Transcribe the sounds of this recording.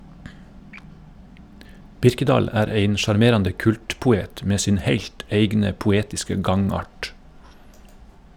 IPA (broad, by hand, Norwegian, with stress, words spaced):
ˈbɪɾkəˌdɑːl ˈæːɾ ˈeɪn ʃɑɾˈmeːɾɑndə ˈkʉltpʊˌeːt ˈmeː ˈsɪn ˈheɪʎt ˈeɪɡnə pʊˈeːtɪskə ˈɡɑŋˌɑːʈ